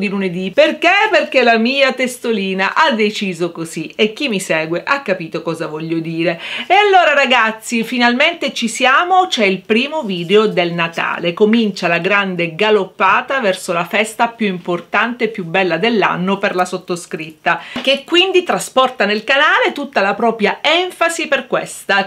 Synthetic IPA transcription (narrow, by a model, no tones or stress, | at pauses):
d̪iluned̪iperkeperkelamiːat̪est̪oliːnaʔad̪et͡ʃiːzokoziek̟ːimːisɛːɡweʔakːapiːt̪okɔːzavɔʎːod̪iːɾeealːoːɾaɾaɡat̪sːifinalment̪et͡ʃisjaːmot͡ʃɛilpɾiːmoviːd̪eod̪elnat̪a̰ːlekomint͡ʃalaɡɾand̪eɡalopːaːt̪avɛrsolafɛst̪apjuimport̪ant̪eːpːjubɛlːad̪elːa̰nːoperlasot̪ːoskɾit̪ːakekːwind̪it̪ɾaspɔrt̪anelkanaːlet̪ut̪ːalapɾɔːpɾjaɛɱfaziperkwest̪a